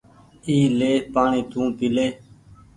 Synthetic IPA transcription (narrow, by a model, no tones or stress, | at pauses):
iːleːpaːɳĩːt̪ũːpɪleː